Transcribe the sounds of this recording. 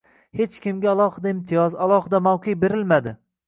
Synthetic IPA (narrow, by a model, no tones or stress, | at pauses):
het͡ʃkʲɪmɡʲaalˠɒhɨd̪aɪmt̪ʰɪjɒzalˠɒhɪd̪amawqʰɨjbe̞ɾɪlmad̪ɪ